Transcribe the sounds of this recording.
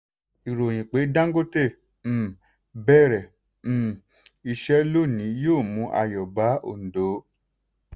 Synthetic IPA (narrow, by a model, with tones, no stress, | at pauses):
i˨ɾo˨j̃ĩ˨k͡pe˨˦dã˦ŋ˦ɡo˦tẽ˦˨˦ | bɛ˦˨ɾɛ˨˦˨ | i˧ʃɛ˦lo˦˨nĩ˨˦joː˦˨mũ˨˦ʔa̰˧jɔ˨ba˨˦o̰˨n̩˨do˨˦